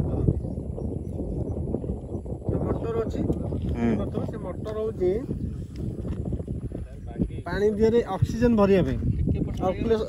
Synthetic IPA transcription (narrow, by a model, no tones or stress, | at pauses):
semɔʈːɔɾɔt͡ʃʰi | ɔt̪ʰɔbasemoʈːɔɾɔwd͡ʒe | paɽ̃ibʱiaɾeʔɔksid͡ʒɔnbʱɔɾiabeɔkule